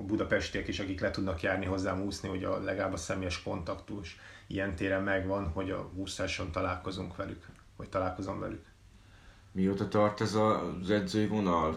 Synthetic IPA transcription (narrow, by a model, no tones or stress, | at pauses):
bud̪ɒpɛʃt̪iɛkeːʃɒkiklɛt̪ud̪nɒkjaːrniɦo̞zːaːmuːsniho̞ɟɒlɛɡalaːbɒsɛmeːjɛʃko̞nt̪ɒkt̪uʃijɛnt̪eːɾɛmːɛɡʋɒnho̞ɟɒ̰uːsɛʃo̞nt̪ɒlaːlko̞zuŋkʋɛlyk | o̰ct̪ɒlaːlko̞zo̞ɱvɛ̰lyk | mioːt̪ɒt̪ɒrt̪ɛzɒzɛd̪zøːvo̞nɒl